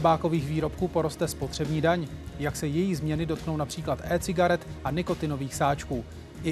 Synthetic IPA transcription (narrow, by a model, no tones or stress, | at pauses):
baːko̞viːxviːɾo̞pkuːpo̞ɾo̞st̪ɛspo̞t̪r̝̥ɛbɲiːdaɲjaksɛjɛjiːzmɲɛnɪdo̞t̪̚kno̞wnapr̝̥iːklat̪ʔɛːt͡sɪɡaɾɛt̪ʔanɪko̞t̪ɪno̞viːxsaːt͡ʃkuː | ʔɪ